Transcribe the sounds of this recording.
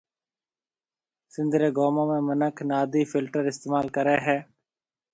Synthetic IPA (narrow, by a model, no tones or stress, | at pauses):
sɪ̃nd̪ʱɾeːɡoːmõːmẽːmənəkʰnaːd̪iːfɪlʈəɾɪst̪eːmaːlkəɾeːɦɛː